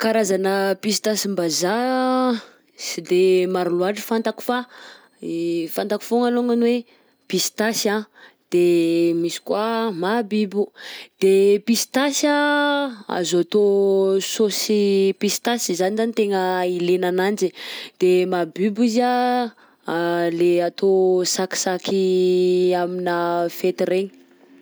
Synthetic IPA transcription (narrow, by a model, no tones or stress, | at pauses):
kaɾazanəpisit̪asimbaza | sid̪emaɾuluaʈ͡ʂə̥fant̪aku̥fa | fant̪aku̥foŋaloŋanwe | pist̪asã | d̪̥emisi̥kwamabibud̪̥epist̪asa | a̰zat̪ososipist̪asizanizanit̪eŋəilenanand͡ʒid̪̥emabibiza | leat̪osaki̥sakʰi | aminəfet̪ireɲi̥